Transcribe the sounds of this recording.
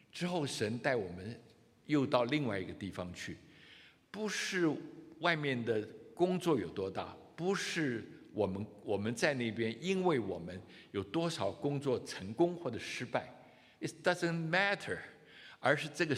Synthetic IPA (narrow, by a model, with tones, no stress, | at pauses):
ʈ͡ʂɻ̩˥xo˥˩ʊʂə˧˥nt̪a˥˩ɪwɔ˨˩mə˦n | jo˥˧ʊt̪ɑ˥˧ʊli˥˧ŋwa˥˩ɪi˧˥ɡə˧t̪i˥˩fɑ˩ŋt͡ɕʰy˥˩ | pu˧˥ʂɻ̩˥˧wa˥˧ɪmjɛ˥˩nd̪ə˩kʊ˥ŋt͡swɔ˥˩jo˨˩ʊt̪wɔ˥t̪a̰˥˩pu˧˥ʂɻ̩˥˩wɔ˨˩mə˦nwɔ˨˩mə˦nt͡sa˥˧ɪne˥˩ɪpjɛ˥ni˥nwe˥˩ɪwɔ˨˩mə˦njo˨˩ʊt̪wɔ˥ʂɑ˨˩ʊkʊ˥ŋt͡swɔ˥˩ʈ͡ʂʰə˧˥ŋkʊ˥ŋxwɔ˥˩ʈ͡ʂə˨˩ʂɻ̩˥pa˥˩ɪ | ɪ˨sd̥ʌ˥zə˨nmæ˥tʰə˞˨˩ | ə˞˧˥ʂɻ̩˥˧ʈ͡ʂɤ˥˩ɡə˩